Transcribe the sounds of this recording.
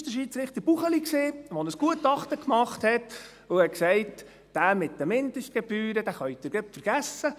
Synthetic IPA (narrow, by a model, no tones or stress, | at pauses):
ʃdəʃiːt͡sɾɪχt̪əb̥uχəlikseːʋɔnəsɡ̥uətɑχt̪əkmɑχt̪hɛt̪ | ʊhɛksɛɪt | d̥æːmɪt̚d̥əmɪnd̪əʃt̚ɡ̥ɛb̥yːɾəd̥̪æːχœɥt̪ɪɾɡəpfəɾɡ̥æsə